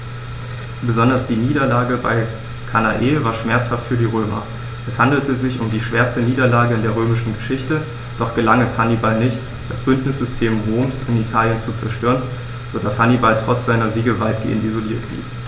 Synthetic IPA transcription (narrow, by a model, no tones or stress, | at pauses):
b̥əzɔndɐsd̥iːniːdɐlaːɡəbaɪ | kʰana̰ʔeːvaːɐʃmɛɐt͡shaftfyːɐdiːʁ̞øːmɐ̰ | ʔɛshandl̩təzɪçʊmdiːʃv̥eːɐstəniːdɐlaːɡəɪndeːɐʁ̞øːmɪʃn̩ɡəʃɪçtə | d̥ɔχɡ̥əlaŋɛshanibalnɪçt | d̥asb̥ʏntnɪsz̥ʏstʰeːmʁoːmsɪnitʰaːljənt͡sut͡sɛɐʃtøːʁən | z̥odashanibaltʁ̥ɔt͡sz̥aɪnɐziːɡəvaɪt̚ɡ̥ḛːəntizoliːɐt̚b̥lḭː